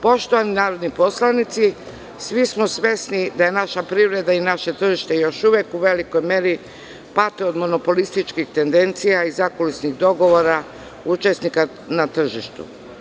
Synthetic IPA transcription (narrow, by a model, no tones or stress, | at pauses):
po̞ʃt̪oʋaninaːɾod̪nipo̞slanit̪si | sʋismo̞sʋe̞snid̪aje̞naʃapɾiʋɾe̞d̪ainaʃe̞t̪r̩ʒiʃt̪e̞jo̞ʃuʋjekuʋe̞liko̞jme̞ɾi | pat̪eo̞d̪mo̞no̞po̞list̪it͡ʃkixt̪e̞nd̪e̞nt̪sijaizakolisniɣd̪o̞ɡo̞ʋo̞ɾa | ut͡ʃe̞snika | nat̪r̩ʒiʃt̪ṵ